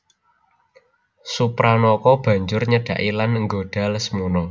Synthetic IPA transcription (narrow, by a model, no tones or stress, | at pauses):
supɾanɔkɔb̥ä̤ɲd͡ʒʊrɲəɖ̥ä̤ʔilanəŋɡoɖ̥a̤ləsmunɔ